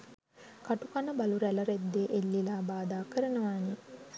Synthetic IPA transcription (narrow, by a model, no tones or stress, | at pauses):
kaʈukanəbaluɾæləɾed̪ːeːʔelːilaːbaːd̪aːkəɾənəʋaːni